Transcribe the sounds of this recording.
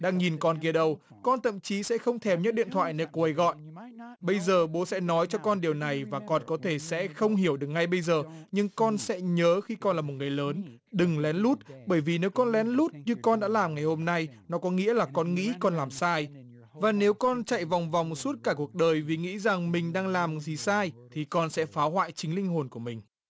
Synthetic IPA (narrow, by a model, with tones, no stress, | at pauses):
ɗaː˧ŋɲi˨˩nkɔ˧nk̬i˧˨˩əɗə˧w | kɔ˧nt̪ʰə̰˧˨mt͡ɕi˨˦sɛ̰˧˥xə˧wŋ͡mt̪ʰɛ˨˩mɲɨ̰˧˥ɗḭ˧˨nt̪ʰwa̰ː˧˨jne˧ku˧˩ə˨jɣɔ̰˧˨jʔɓə˧jzəː˨˩ɓo˨˦sɛ̰˧˥nɔ˨˦jt͡ɕɔ˧kɔ˧nɗi˨˩əwna˨˩jvaː˨˩kɔ˧nkɔ˨˦t̪ʰe˧˩sɛ̰˧˥xə˧wŋ͡mɦi˧˩əwɗɨ˨˩ək̚ŋa˧jɓə˧jzəː˨˩ɲɨ˧ŋkɔ˧nsɛ̰˧˥ɲəː˨˦xi˧kɔ˧nlaː˨˩mo˨˩t̚ŋ˨˩jləː˨˦n | ɗɨ˨˩ŋlɛ˨˦nlu˦˥t̚ɓəː˧˩jvi˨˩ne˨˦wkɔ˧nlɛ˨˦nlu˦˥t̚ɲɨ˧kɔ˧nɗa̰ː˧˥laː˨˩mŋa˨˩jho˧mna˧jnɔ˨˦kɔ˨˦ŋḭ˧˥əlaː˨˩kɔ˧nŋḭ˧˥kɔ˧nlaː˨˩msaː˧j | vaː˨˩ne˨˦wkɔ˧nt͡ɕa̰˧˨jva˨˩wŋ͡mva˨˩wŋ͡msu˦˥t̚kaː˧˩ku˨˩ək̚ɗəː˨˩jvi˨˩ŋḭ˧˥za˨˩ŋmï˨˩ŋ̟ɗaː˧ŋlaː˨˩mzi˨˩saː˧jt̪ʰi˨˩kɔ˧nsɛ̰˧˥faː˨˦wɦwa̰ː˧˨jt͡ɕï˨˦ŋ̟lï˧ŋ̟ɦo˨˩nku˧˩əmï˨˩ŋ̟